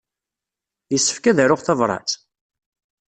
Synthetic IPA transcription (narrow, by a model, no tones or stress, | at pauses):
jəsːə̥fkæðæɾʊʁθɑvɾˤɑ̰t͡s